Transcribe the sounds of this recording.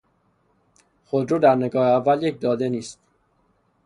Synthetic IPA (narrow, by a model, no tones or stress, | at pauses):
xod̪ɾuːd̪æɾneɡɒːheævːæljec̚d̪ɒːd̪e̞niːst̪